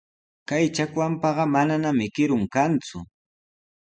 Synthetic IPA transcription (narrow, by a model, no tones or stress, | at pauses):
kajt͡ʃakwampɑɢɑmananamɪkɪɾʊŋkant͡sʊ